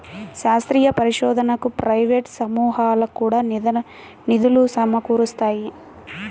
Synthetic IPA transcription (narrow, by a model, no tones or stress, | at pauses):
ʃaːst̪ɾiːjɐpɐɾiʃɔːd̪ʱɐnɐkupɾɐjʋeːʈsɐmuːɦaːlɐkuːɽaː | nid̪ulusɐmɐkuːɾust̪aːji